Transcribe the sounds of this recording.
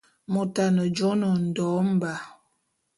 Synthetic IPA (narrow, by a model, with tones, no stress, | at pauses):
mo˨ta˨nə˨d͡ʒɔ˦nə˨n̩˨dɔ˨˦m̩˦ba˨